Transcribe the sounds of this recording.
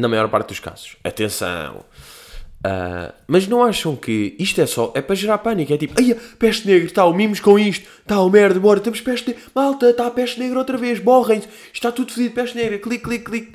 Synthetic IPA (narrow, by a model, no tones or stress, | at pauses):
nɐmɐjɔɾpa̰ɾt̪̚d̪uʃka̰z̥u̥ʃɐ̰t̪ẽsɐ̰̃w̃ | a̰mɐʒnɐ̃w̃aʃɐ̃w̃kʰɨiʃt̪ɛsɔʔɛpɾɐʒɨɾaɾpɐnikɛt̪ipɐjɐpɛʃt̪neɣɾt̪aumimuʃkõiʃt̪u̥t̪aumɛɾðbɔɾɐt̪emuʃpɛʃt̪nemalˠt̪ɐt̪apɛʃt̪neɣɾot̪ɾɐveʃmɔʁɐ̃j̃t̪ | iʃt̪at̪uðfɨðiðpɛʃtneɣɾɐklˠikːlˠikːlˠik̚